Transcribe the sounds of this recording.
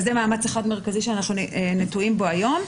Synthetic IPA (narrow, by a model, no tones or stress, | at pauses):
zɛmaːmat͡seχad̪me̞ʁkaziʃeanaχnunetuimbo̞ajo̞m